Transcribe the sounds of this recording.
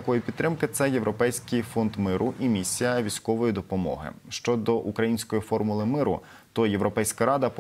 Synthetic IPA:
ɐkɔjipʲid̪t̪ːɾɪmkɪt̪sɛje̞ʋɾʔɔpɛjsʲkɪjfɔnd̪mɪɾʔʊʔimʲisʲijɐʋʲisʲkɔʋɔjid̪ɔpɔmɔ̰ɦɪ̰ʃt͡ʃɔd̪ɔʔukɾɐjinʲsʲkɔjifɔrmʊlˠɪmɪɾʊ̰ | t̪ɔje̞ʋɾɔpɛjsʲkɐɾɑd̪ɐp

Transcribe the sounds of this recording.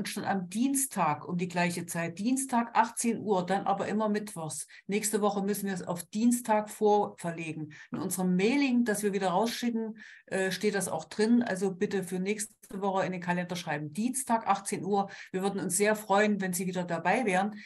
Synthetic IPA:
ʔʊnʃtonamdiːnstʰːaːkʔʊmdiːɡlaɪçət͡saɪt̚d̥iːnstʰaːkʔaχtt͡seːnʔuːɐdanʔa̰ːbɐʔɪmɐmɪtv̥ɔχs | nɛːçstəvɔχəmʏsn̩viːɐsa̰ʊfd̥iːnstʰaːkfoːɐfɛɐleːɡŋ̩ʔɪnʔʊnzəʁəmːɛːlɪŋd̥asv̥iːɐviːdɐʁaʊsʃɪkŋ̩ʔɛːʃteːt̚d̥asa̰ʊxd̥ʁɪnʔa̰lzobɪtəfyːɐnɛːçs | təvɔχəɪndeːnkʰalɛndɐʃʁ̥aɪbm̩d̥iːnstʰaːkʔaχt͡seːnʔuːɐviːɐvʏɐdn̩ʊnsz̥eːɐfʁ̥ɔʏənvɛnziːviːdɐdabaɪvɛːʁən

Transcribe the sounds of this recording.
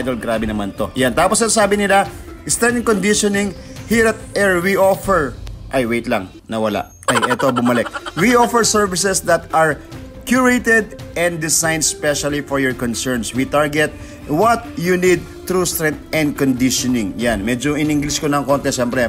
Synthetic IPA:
jd̪olɡɾabɛnɐmant̪o̞jant̪aːposɐnsaːbɪnɪlast̪ɾɛ̃nt̪ɛnkond̪iʃonɪŋ | hiɾɐt̪̚ɛɹwiʔofɛɹʔajwejt̪lɐŋ | nɐwɐla̰ʔʔajʔɛt̪obʊmɐlɛk̚wiʔofɛɹsɛɹvɪsɛsd̪ɐt̪ɐɹ | kjuɹejt̪ɛd̪̚ʔɛ̃nd̪dɪsajnd̪̚spɛʃɐlifɔɹjɔɹkɔnsɛɹnswit̪aɹɡɛt̪̚ | wɐt̪̚junid̪̚t̪ɾust̪ɾɛnt̪̚ɛ̃nd̪̚kond̪ɪʃonɪŋjanmɛd͡ʒoʔɪnɪŋɡlɪskonɐŋkont̪ɛʃɛmpɾɛ

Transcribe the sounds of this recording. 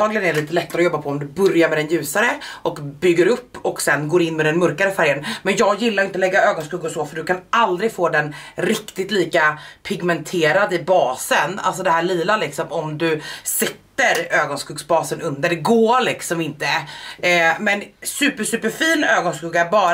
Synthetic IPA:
t̪ɑːɡlɪɡənæɾliːt̪əlɛt̪ːaɾɔjɔbːapʰɔɔmd̪ɵbɵɾjaɾmɛd̪ɛnjʉ̟ːsaɾəʔɔkbʏɡːəɾɵpːɔksɛnːɡoːɾɪnːmɛd̪ɛnmɵɾkaɾəfæɾjənmɛnjɑːɡjɪlːaɾɪnt̪əlɛɡːaøːɡɔnskʉːɡɔsɔfœɖɵkʰanʔald̪ɾɪɡfoːd̪ɛnɾɪkt̪ɪt̪liːkapʰɪɡmɛnt̪ʰeːɾad̪ɪbɑːsəna̰ls̬ɔd̪ɛɦæːɭiːlalɪksɔmɔmd̪ɵsɪt̪ːəɾøːɡɔnskʉːɡsbɑːsənɵnd̪əɖɛɡoːɭɪksɔmɪnt̪ə | mɛnsʉ̟ːpəʂʉ̟ːpəɾfiːnøːɡɔnskʉːɡabɑː

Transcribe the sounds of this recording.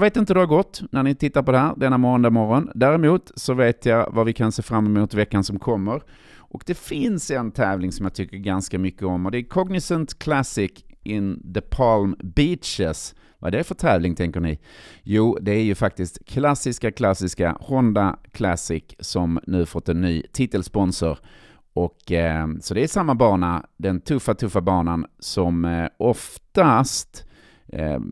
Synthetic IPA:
jɑveːt̪ɪnt̪əd̪ɛhaɾɡɔt̪ːnæɳnɪt̪ʰɪt̪ːaɾpɔd̪ɛhæːɾd̪ɛnːamɔːnd̪amɔɾɔnd̪æːɾɛmuːt̪sɔveːt̪javavɪkʰanseːfɾamːɛmuːt̪vɛkːansɔmkʰɔmːəɾ | ʔɔkd̪ɛfɪnsɛnt̪ʰɛːvlɪŋsɔmjaːt̪ʰʏkːəɾɡanskamʏkːəɔmɔd̪ɛæɾkʰɔɡnɪsənt̪kʰlæsɪkɪnd̪əpʰɑlmbiːtt͡ʃɪs | vad̪ɛæɾfœt̪ʰɛːvlɪŋt̪ʰɛŋkənɪ̰juːd̪ɛæɾjɵfak̚t̪ɪst̪kʰlasɪskakʰlasːɪska̰hɔnd̪akʰlasɪksɔmnʉ̟ːfɔt̪ːɛnːyːt̪ʰɪt̪ːəlspɔnsɔɾ | ɔksɔd̪ɛæʂamːabɑːɳad̪ɛnt̪ʰɵfːat̪ʰɵfːabɑːɳansɔmʔɔft̪ast̪

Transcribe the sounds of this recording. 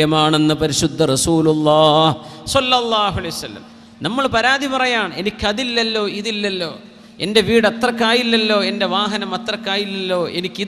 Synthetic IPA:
jɐmaːɳe̞nːɨpɐɾiɕud̪ʱːɐrɐsuːlulˠːɑːhsɐlːɐlˠˤːaːɦuɐlɐjusɐlːɐ̰m | nɐmːɐɭpɐɾaːd̪ʱipɐrɐjaːɳe̞nikʲːɨɐðilːɐlːo̞ːiðilːɐlːo̞̰ː | e̞̰nde̞ʋiːɽɐt̪rɐkːaːjilːɐlːo̞ːe̞nde̞ʋaːɦɐnɐmɐt̪rɐkːaːjilːelːo̞ːe̞nikʲːi

